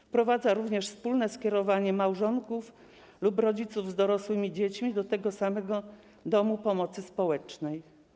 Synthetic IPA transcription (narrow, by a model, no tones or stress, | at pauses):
pɾɔvad̪zaɾuvɲɛʂfspulnɛskʲɛɾɔvaɲɛmawʐɔŋkuf | lubɾɔd͡ʑit̪suvzd̪ɔɾɔswɘmʲid͡ʑet͡ɕmʲid̪ɔt̪ɛɡɔsamɛɡɔ | d̪ɔmupɔmɔt̪sɘspɔwɛt͡ʂnɛj